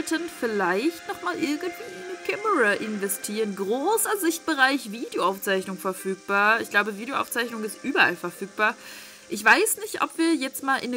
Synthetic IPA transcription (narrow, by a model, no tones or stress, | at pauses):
tənfɪɐlaɪçtnɔχmaːlʔɪɐɡn̩tv̥iːɪnəkʰaməʁaʔɪnvɛstʰiːʁənɡʁoːsɐzɪçt̚b̥əʁaɪçviːdejoaʊft͡saɪçnʊŋfɛɐfyːk̚b̥aːɐɪçɡ̥laʊbəviːdeoʔa̰ʊt͡saɪçnʊŋɪstʔyːbɐʔa̰lfɛɐfyːk̚b̥aːɐ | ʔɪçv̥aɪsnɪçtʔɔ̰pv̥iːɐjɛt͡stmaːlʔɪn